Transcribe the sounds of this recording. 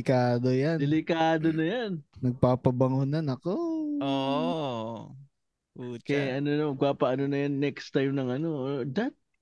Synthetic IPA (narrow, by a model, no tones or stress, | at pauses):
ɪkaːd̪ojand̪ɛlɪkaːd̪onɐjannɐɡ̚paːpɐbɐŋunɐnɐkoʔoːʔ | ʔut͡ʃkɐjaʔɐnonɐmɐɡ̚paːpɐʔɐnonɐjanːɛkst̪ajmnɐŋɐno̞ʔod̪ɐt̪̚